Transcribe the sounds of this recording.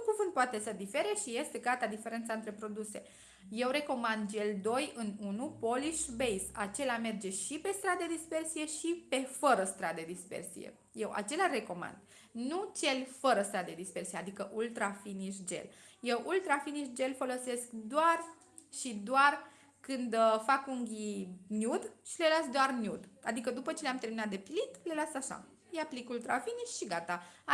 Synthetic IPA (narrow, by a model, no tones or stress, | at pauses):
kuvɨnd̪̚poat̪e̞səd̪ife̞ɾe̞ʃije̞st̪e̞ɡat̪ad̪ife̞ɾe̞nt̪saɨnt̪ɾe̞pɾo̞d̪use̞ | je̞wre̞ko̞mand̪t͡ʃe̞ld̪o̞jɨnunupo̞liʃbejsa̰t͡ʃe̞lame̞rd͡ʒe̞ʃipe̞st̪ɾad̪d̪ed̪ispe̞rsije̞ʃipe̞fəɾəst̪ɾad̪d̪ed̪ispe̞̰rsḭjḛ | je̞wʔa̰t͡ʃe̞lare̞ko̞ma̰nd̪̥ | nut͡ʃe̞lʲfəɾəst̪ɾad̪d̪e̞d̪ispe̞rsijead̪ikəʔult̪ɾafiniʃd͡ʒe̞̰l | jewʔult̪ɾafiniʃd͡ʒe̞lfo̞lo̞se̞skd̪oar | ʃid̪oar | kɨnd̪fakuŋɡʲinʲjud̪ʃile̞lasd̪oarnʲjud̪a̰d̪ikəd̪upət͡ʃe̞leamt̪e̞rminat̪̚d̪epilit̪le̞loasaʃa̰ | japlikult̪ɾafiniʃʃiɡat̪a